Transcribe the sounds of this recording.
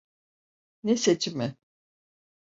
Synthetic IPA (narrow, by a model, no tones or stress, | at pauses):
neset͡ʃʰimɪ